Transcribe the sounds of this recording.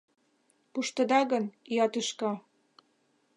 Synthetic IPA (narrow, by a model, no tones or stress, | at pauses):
puʃt̪ɤ̆d̪ɑɣə̆niɑt̪yʃkɑ